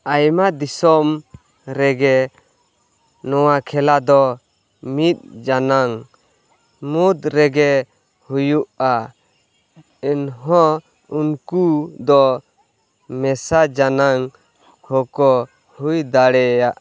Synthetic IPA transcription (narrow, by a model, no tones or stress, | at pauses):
ajmad̪isɔm | ɾɛɡɛ | nɔwakʰɛlad̪ɔ | mit̪̚ˀd͡ʒanaŋ | mud̪ɾɛɡɛ | hujuʔa | inɦɔ̃ | unkud̪ɔ | mɛsad͡ʒanaŋ | hɔkɔ | hujd̪aɽɛjaʔ